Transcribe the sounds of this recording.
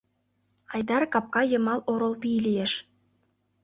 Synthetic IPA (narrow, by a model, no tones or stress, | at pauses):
ɑjd̪ɑrkɑp̚kɑjɤ̆mɑloɾolˠpilieʃ